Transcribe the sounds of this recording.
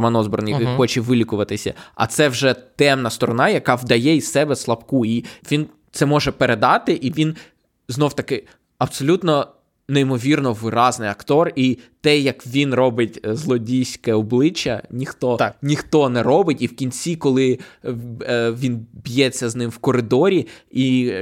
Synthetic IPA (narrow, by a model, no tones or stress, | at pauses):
mɐnɔzbɔrnijxɔt͡ʃɛʋɪlʲikʊʋɐt̪ɪsʲɐ̰ɐ̰t̪sɛwʒɛt̪ɛmnɐst̪ɔɾɔnɑjɐkɑwd̪ɐjɛisɛbɛslˠɐpkuiʋʲin | t̪sɛmɔʒɛpeɾed̪ɑt̪ɪʔiʋʲin | znɔwt̪ɐkɪ | ɐpsɔlʲut̪nɔ | neimɔʋʲirnɔʋɪɾɑznɪjɐkt̪ɔrit̪ɛjɐkʋʲinrɔbɪtʲzlˠɔdʲijsʲkɛɔblˠɪt͡ʃːɐ̰nʲixt̪ɔt̪nʲixt̪ɔnɛɾɔbɪtʲiwkʲinʲt͡sʲikɔlˠɪ | ʋʲinbʲjɛt͡sʲːɐznɪmwkɔɾɪd̪ɔɾʲii